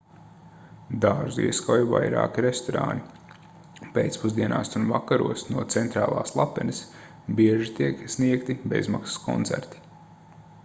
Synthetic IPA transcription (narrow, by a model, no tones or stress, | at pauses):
d̪aːʒḭɛskawjva̰jɾa̰ːkiɾest̪ɔɾa̰ːni | pḛːt̪spuzd̪iɛnaːsunvakaɾṵɔsnuɔt̪sɛnt̪ɾaːlˠa̰ːslˠapɛnis | biɛʒit̪iɛksniɛkt̪ibḛzma̰ksḁskʰɔ̰nt̪sæ̰ɾt̪i̥